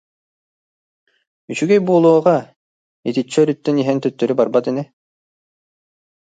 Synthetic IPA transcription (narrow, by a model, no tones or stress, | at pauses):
yt͡ɕyɡɛjbuːlˠuɔːʁa | it̪it͡ɕːœɾyt̪ːɛniɦɛnt̪œt̪ːœɾybaɾbat̪ɛnɛ